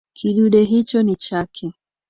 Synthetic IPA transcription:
kʰiɗuɗɛɦit͡ʃɔnit͡ʃakʰɛ

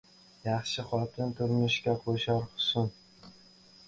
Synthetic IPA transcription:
jɑχʃɪχɒt̪ʰɪnt̪ʰʊɾmʊʃkʲaqʰoʃɑɾχʊ̥sʊn

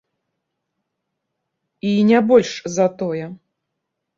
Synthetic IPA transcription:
inʲabɔlʲʂzɐt̪ɔjɛ

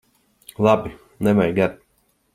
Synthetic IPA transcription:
lˠabi | nɛmajɡaɾ

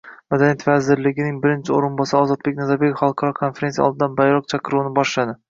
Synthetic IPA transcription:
mad̪anijat̪vazɪɾlɪɡʲɪnɪŋbɪɾɪnt͡ʃʰɪoɾɪnbɒsaɒːzɒt̪̚be̞kʲnazabekʲχɑɒlˠqʰɑɾɒkʰonfeɾe̞nsija̰ɒ̰lˠd̪ɪd̪anbajɾɒq̚t͡ʃʰaqʰɨɾuwnɪbɒʃlad̪ɪ

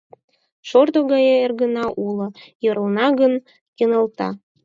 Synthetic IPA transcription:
ʃord̪oɣɑjeerɣənɑʔulojɤɾənɑɣən | jenəlt̪ɑ̰

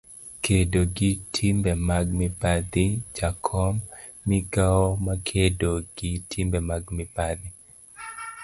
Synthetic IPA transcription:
kʰedoɡɪtʰimbɛmaɡ̚mɪpad̪id͡ʒakʰɔmː | iɡaɔmakʰedoɡ̥ɪtʰimbɛmaɡmɪpad̪ɪ

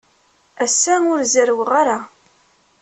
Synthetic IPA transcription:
æsːænʊɾzəɾwʁaɾa

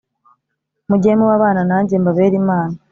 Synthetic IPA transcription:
muɟemuwaβaːnanaːɲɟembaβeːɾimaːna

